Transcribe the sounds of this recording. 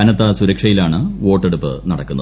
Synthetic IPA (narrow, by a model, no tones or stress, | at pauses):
ɐnɐt̪ːɐsuɾɐkʂɐjilaːɳɨʋo̞ːʈːeɽupːɨ̰nɐɽɐkːunːɐ